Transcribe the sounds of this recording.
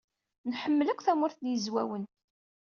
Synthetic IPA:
nħəmːləkʷːθæmʊɾθnjəzwæwən

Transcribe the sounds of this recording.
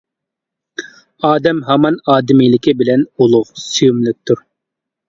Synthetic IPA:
ɑːd̪ɛmɦɑmɑnɑːd̪ɪmilɪkʲʰɪbɪlɛnulˠʊqsyjumlˠɪk̚t̪ʰʊɾ

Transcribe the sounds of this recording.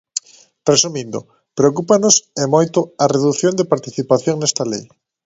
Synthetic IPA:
rresumĩnd̪o̰ | pɾeokupanosemojt̪oareðuθjond̪epaɾt̪iθipaθjoŋnest̪alḛj

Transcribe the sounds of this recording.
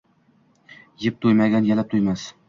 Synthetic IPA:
jɪp̚t̪ʰujmaɡʲanjalap̚t̪ʰujmas

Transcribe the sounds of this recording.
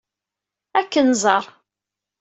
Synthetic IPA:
ækːənzˤɑɾˤ

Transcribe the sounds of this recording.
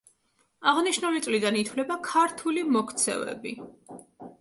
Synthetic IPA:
aʁniʃnulit̪sʼlid̪anit̪ʰwlɛbakʰaɾt̪ʰulimɔkʰt̪sʰɛ̰vɛ̰bi

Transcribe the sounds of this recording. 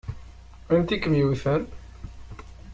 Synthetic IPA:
ænt̪ikːəmjiwiθæɾ

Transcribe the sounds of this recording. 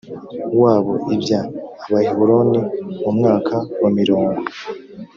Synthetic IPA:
waːβo̞ʔibjaːβahiβuɾoːnimumŋaːkʰawamiɾoːŋɡo

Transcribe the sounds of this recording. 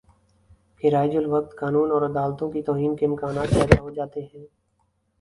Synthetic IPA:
kɪɾaːɪd͡ʒʊlʋək̚t̪kaːnuːnɔːɾəd̪aːlt̪õkit̪ɔːɦiːnkeməkaːnaːt̪̚pɛːd̪aɦod͡ʒaːt̪eɦɛ̃ː

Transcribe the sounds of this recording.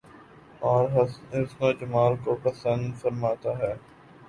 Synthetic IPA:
ɔːɾɦɦɪsnõːd͡ʒəmaːlkopəsə̃nd̪fəɾmaːt̪aɦɛː

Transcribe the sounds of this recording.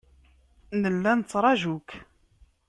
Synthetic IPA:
nəlːænət͡sːɾˤɑʒuk

